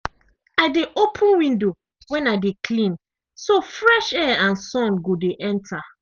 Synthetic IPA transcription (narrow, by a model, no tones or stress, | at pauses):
aɪdeʔopʰũnwĩndo | wɛ̃naɪdekʰlĩn | sofɹɛʃɛãnsɔ̃nɡodeʔɛ̃ntʰa